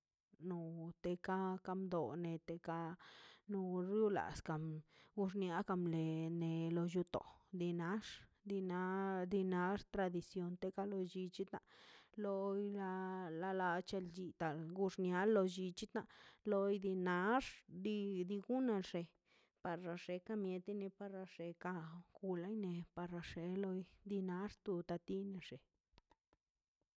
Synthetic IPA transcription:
no˧t̪e˧ka˦ka˧md̪o̰˨ne˨t̪e˧ka˧no˧ɾju˦la̰˨ska˨mɡu˧ʂnja˦ka˧mle˨ne˨lo˧ju˧t̪o̰˨d̪i˧na˦ʂd̪i˧na˦d̪i˧na˧˦ʂt̪ɾa˧d̪i˧sjo˧nt̪e˧ka˦lo˧d͡ʒi˧t͡ʃi˦t̪na̰˧˨lo˧jla˧la˧la˧t͡ʃe˧ld͡ʒi˧t̪a˨lɡu˧ʂnja˦lːo˧d͡ʒi˧t͡ʃi˦t̪na˧lo˧jd̪i˧na˧˦ʂd̪i˧d̪i˧ɡu˦ne˧lʂe˨ | pa˧ɾɾa˧ʂe˧ka˧mje˨˧t̪i˦ne˧pa˧ɾa˧ʂe˧ka˧ɡ̥u˧la˦jne˧pa˧ɾa˧ʂe˧lo˧jd̪i˧na˦ʂt̪u˧t̪a˧t̪i˦ne˧ʂe˨

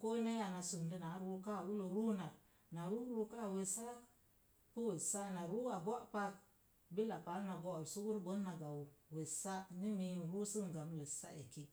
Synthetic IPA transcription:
ko˦ne˦a˨na˨su˨ndi˨na˨˦ɾu˦ka˦˨u˦lo˨ɾu˦na˨ | na˨ɾu˦ɾu˧ka˦˨we˨sa˦ | pu˦we˨sa˦na˨ɾu˦a˨bʷa˦ʔpa˦t̚ | bi˦la˨pa˨˦lna˨ɡo˨ɾsu˦wu˦ɾbə˨˦na˨ɡa˨wu˨we˨sa˦ni˦mi˨ɾu˦si˦ŋ˨ɡa˨m˦le˨sa̰˦e˨ki˦

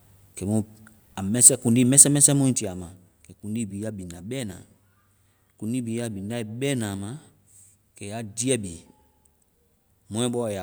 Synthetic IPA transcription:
kɛ˨mũ˦ | a˨mɛ˦sɛ˦kũ˨ndi˦mɛ̃˦sɛ˦mɛ̃˦sɛ˦mũ˦ĩ˦nti˨a˨ma˨ | kɛ˨kũ˨ndi˦bi˨˦ja˦bi˨na˨bɛː˦nã̰˨ | kũ˨ndi˦bi˨˦ja˦bi˨na˦i˨bɛː˦nãː˨ma˨ | kɛ˨ja˨˦di˦ɛ˦bi˨ | mɔ̃˦ɛ˦bɔ˦˨ja˨

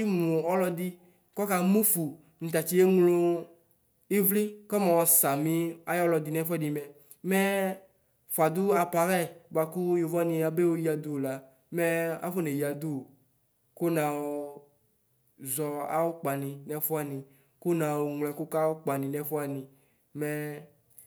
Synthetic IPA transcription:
i˦mũ˨ɔ˦lɔ˧d̪i˦ | kɔ˦ka˨mũ˦fu˨ | nĩ˨t̪̬a˨t͡ʃi˦e˦ŋlo˦ | i˦vli˦kɔ˦mɛ˨wɔ˨sa˨mĩ˦a˦jɔ˦lɔ˧d̪i˨nɛ˦fɛ˦di˨mɛ˨ | mɛ˦ | fu˨a˨d̪ʊ˦a˨pa˨ɾɛ˦ba˨kʊ˦ju˨va˦nĩ˧a˨be˦wo˦ji˦a˨d̪u˦˨la˨ | mɛ̃˦a̰˦fo˦ne˨ji˨a˨d̪u˦˨ | ko˦nã˨wo˨ | zɔ˨a̰˦wo˦k͡pa˨nĩ˨nɛ˨fu˦a˨nĩ˨ | ko˦nã˨wo˨ŋlɛ˨ku˦ka˦wo˦k͡pa˨nĩ˨nɛ˨fu˦a˨nĩ˨ | mɛ˦

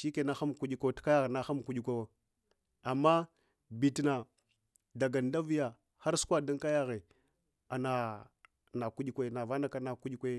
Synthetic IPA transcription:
ʃi˦ke˨na˦xa˦m˨ku˦ɗi˦ka˦tka˦ja˦ɣe˨na˦xa˦m˨ku˦ɗi˦kʷe˦wa˦ | a˨mːa˦ | bi˨tna˨ | da˨ɡa˨nda˦vi˦ja˨ | ha˦ɾsu̥˦kʷa˦da˦nka˦ja˦ɣe˨ | a˨na˨ | na˨ku˦ɗi˦kʷe˦na˨va˦na˦ka˦na˨ku˦ɗi˦kʷe˦

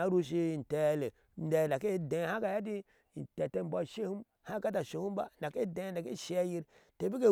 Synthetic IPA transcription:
a˨˦ɾu˦ʃ̬i˦i˨te˨˦le˨ | de˨n˨da˨ke˦de˨ha˦ka˨ja˦di˦ | i˨te˨te˦m˨bʷa˦ʃe˦hu˦m | ha˦ka˦ta˨ʃe˨hu˦m˦ba˦˨nda˨ke˦de˨˦nda˨ke˦˨ʃe˨a˦ji˦ɾte˨bi˦ke˦

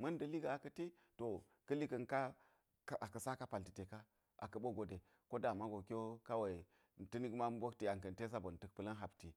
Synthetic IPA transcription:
mɐ˦ndɐ˨li˦ɡa˨a˨kɐ˨ti˦ | to˨ | kɐ˦li˦kɐ˨nka˦ | a˨kɐ˨sa˦ka˦pa˨lti˨te˨ka˦ | ʔa̰˨kɐ˨ɓo˦ɡo˨de˨ | ko˦da˨ma˦ɡo˨kʲo˦ka˦wa˨i˨ | n˨ti˦ni˦ɡma˦m˦bo˦kti˨ja˨ŋkɐ˨n˨te˦s̬a˦bo˨n˨tə˦k̚pɨ˦lɐ˦nɦa˨bti˨

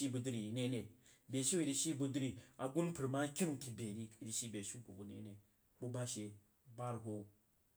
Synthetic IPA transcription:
i˦bu˧dɾi˨ne˦ne˨bʲe˨ʃi˦i˨ɾi˧ʃi˦bu˧dɾi˦˧a˨ɡu˦n˦pu˨ɾma˦kʲi˦n˦˨ki˨bʲe˨ɾi˦i˨ɾi˨ʃi˦˨bʲe˨ʃi˦ku˨bu˨nḛ˦ne˨ | bu˦ba˦ʃe˨ | ba˦ɾɦo˦

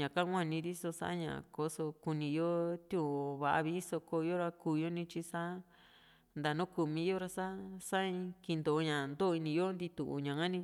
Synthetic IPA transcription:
ɲã˨kã˦ŋʷã˦˨nĩ˧ɾi˦so˧sa̰˦a˦ɲã̰˨ko˧so˧ku˧nĩ˧jo˦t̪jũ˦˨βa˧ʔa̰˧βi˧˦so˧ko˧jo˦ɾa˧kuː˧jo˦nĩ˧t͡ʃi˧sa˦ | nd̪a˨˧nõ˦ku˧˨mĩ˧˦jo˦ɾa˧sa˦sa˦ĩ˧ki˧nd̪o˨˧ɲã˨nd̪o˦˧i˧nĩ˧jo˦nd̪i˧t̪u˨ʔṵ˧˨ɲã˨ŋã˦nĩ˧

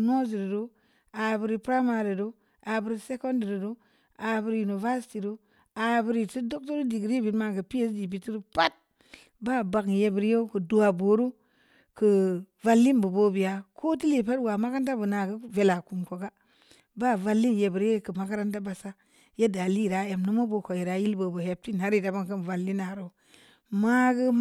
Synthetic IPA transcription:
no˦zi˨ɾi˨do˦ | a˨bi˨ɾi˨pɾa˦ma˨ɾi˨do˦ | a˨bi˨ɾi˦se˦ko˦ndi˨ɾi˨ɾo˦ | a˨bi˦ɾju˨no˨va˦sti˨ɾo˦ | a˨bi˦ɾi˨ti˦do˦k̚to˦ɾdi˨ɡɾi˦bi˨tma˦kɨ˨pi˦e˦sdi˨b̬i˨ti˦ɾpa˦t̚ | ba˦ba˨kje˨bi˨ɾje˦ku˨du˨wa˨bo˨˦ɾu˦ | kə˨va˦lːi˦nbu˨bo˦bi˨ja˨kʰo˦ti˦li˨pa˦twa˨ma˦ka˦nt̬a˦bu˨na˨ɡə˦ve˨la˨ku˨mko˨ɡa˦ | ba˦va˦lːi˦nje˨bi˨ɾje˦kɨ˨ma˦ka˦ɾa˦nta˦ba˨sa˦ | je˦da˨li˦˨ɾa˨˦je˨mnu˦mo˦bo˨ko˨ji˨ɾa˨˦ji˦lbo˨bo˨he˨p̚ti˦n˨a˦ɾi˦˨ta˨ba˦ŋkə˦n˨va˨lːi˦na˨ɾo˦ | ma˦ɡə˦

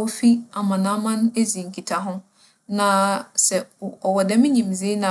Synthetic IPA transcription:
ɔ˦fi˦a˨mã˨nã˦mã˦n˦e˦zi˨ŋ̩˨kʰi˨tʰa˨ɦʊ̃˦ | nã˨sɛ˨ɔ˨wɔ˨dɛ˦mɪ̃˦ɲĩ˨m˨zi˦nã˨

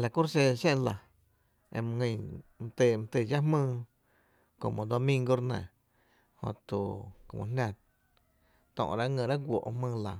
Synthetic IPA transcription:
la˨ku˦ɾse˧ʃẽ˦la˨ | ḛ˧m̃˧ŋə̃˧˨m̃˧t̪eː˧˨m̃˧t̪e˧˨d͡ʒa˦ɦmɨ̃ː˦˧ | ko˨mõ˨d̪o˧mĩ˧ŋɡo˧ɾnɛ̰̃˨ | hõ̰˧t̪u˨ko˨mõ̰˧˨nʲã˧ | t̪ɔ̰̃˧ʔɾa˦ŋə̃˧ɾa˦ɡʷo̰˨ʔhmɨ̃ː˦˧la˨

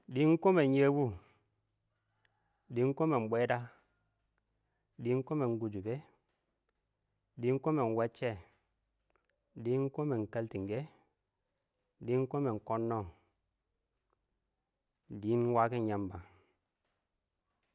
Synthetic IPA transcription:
di˨˦ŋ̩˦ko˦me˨ɲje˦bu˦ | di˨˦ŋ̩˦ko˦me˨m̩˨ɓɛ˦da˦ | di˨˦ŋ̩˦ko˦me˨ŋ̩˨˦ɡu˨d͡ʒu˨be˦ | di˨˦ŋ̩˦ko˦mɛ˨n̩˨wɛ˦t͡ʃɛ˦˨ | di˨˦ŋ̩˦ko˦mɛ˨ŋ̩˨ka˦lti˨ŋ˨ɡe˦ | di˨˦ŋ˦ko˦mɛ˨ŋ̩˨kɔ˦nːɔ˦˨ | di˨˦n˦wa˦ki˦ɲa˨mba˨

